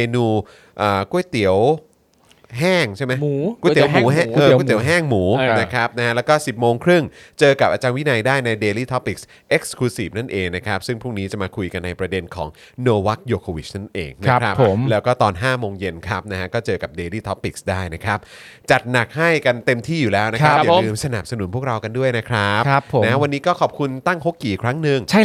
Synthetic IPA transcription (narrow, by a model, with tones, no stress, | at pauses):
meː˧nuː˧ | ʔəː˨˩ku˥˩əjt̪i˨˩˦əw | ɦɛː˥˩ŋt͡ɕʰa˥˩jma˦˥˩ku˥˩t̪i˩˦muː˧˨˩ɦkːt̪i˩˦wɦɛː˥˩ŋmuː˩˦na˦˥kʰɾa˦˥p̚na˦˥ha˦˥lɛː˦˥wkɔː˥˩si˨˩p̚moː˧ŋkʰɾɯ˥˩ŋ | t͡ɕɤː˧ka˨˩p̚ʔa˧t͡ɕaː˧nwi˦˥na˧jdaː˥˩jna˧jdeː˧liː˥˩t̪ʰɔ˦˥pːi˨˩k̚s | ʔe˦˥k̚skʰuː˧si˨˩p̚na˥˩nʔeː˧ŋna˦˥kʰa˦˥p̚sɯ˥˩ŋpʰɾuː˥˩ŋniː˦˥t͡ɕa˨˩maː˧kʰu˧jka˧nːa˧jpɾa˧de˧nkʰɔ̰ː˩˦ŋ | noː˧wa˦˥k̚joː˧kʰoː˧wḭ˨˩t͡ɕ̚na˥˩nʔḛː˧ŋna˦˥˦kɾa˦˥pʰo˨˩˦mlɛː˦˥wkɔː˥˩t̪ɔː˧nɦaː˥˩moː˧ŋje˧nkʰa˦˥p̚na˦˥ɦa˦˥kɔː˥˩t͡ɕɤː˧ka˨˩p̚deː˧liː˥˩t̪ʰɔ˦˥pːi˨˩k̚sdaː˥˩jna˦˥kʰɾa˦˥p̚ | t͡ɕa˨˩t̪̚na˨˩k̚ha˥˩jka˧nt̪e˧mt̪ʰiː˥˩juː˨˩lɛː˦˥wna˦˥kʰa˦˥ja˨lɯː˧msa˧na˨˩p̚sa˧nu˩˦npʰu˥˩ək̚ɾa˧wka˧ndu˥˩əjna˦˥kʰɾa˦˥pʰːo˨˩na˥a˥wa˧nːiː˦˥kɔː˥˩kʰɔː˨˩p̚kʰu˧nt̪a˥˩ŋɦo˦˥kːiː˨˩kʰɾa˦˥ŋnɯ˧ŋt͡ɕʰa˥